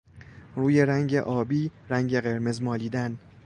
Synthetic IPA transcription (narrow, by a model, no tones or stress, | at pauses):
ruːjeɾæŋɟe̞ʔɒːbiːɾæŋɟe̞ɣe̞ɾme̞zmɒːliːd̪æn